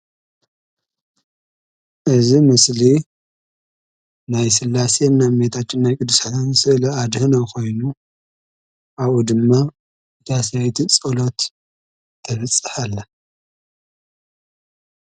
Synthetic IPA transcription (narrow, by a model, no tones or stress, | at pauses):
ʔɨzimɨsli | najsɨlːasenːamet̪ʰat͡ʃːɪnːajkʼɨd̪ːusat̪nsɨʔlɐad̪hɨnokʰo̞jnu | ʔaβud̪ɨmːa | d̪ʰasajt̪ʰit͡sʼɐlo̞t̪ʰː | ɐβɨt͡sʼːɨħalːɐ